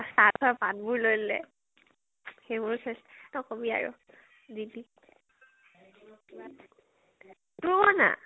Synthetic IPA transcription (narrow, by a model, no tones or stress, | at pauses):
satʰɔpanbuɹlojlɛ̰ | xebuɹkʰɛsnɔkobia̰ɹʊ̰ | zidi | tubana̰